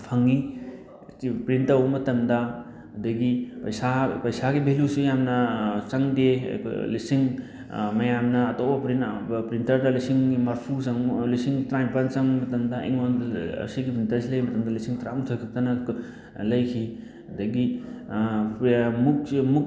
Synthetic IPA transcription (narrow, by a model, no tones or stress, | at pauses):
pʰaŋːi | pɾintɐwmɐtɐmdɐ | ɐdɐɡipɐjsapɐjsaɡibʱelusijamnɐt͡ʃɐŋdḛlisiŋ | mɐjamnɐːtobɐpɾinpɾintɐɾdɐlisiŋmaɾpʰusɐŋlisiŋtɾajpant͡ʃɐŋmɐtɐmdɐʔḭŋo̰siɡipɾintɐɾsilɐjmɐtɐmdɐlisiŋtɾantʰojkʰɐk̚tɐnɐ | lɐjkʰi | ɐdɐɡi | muk̚muk̚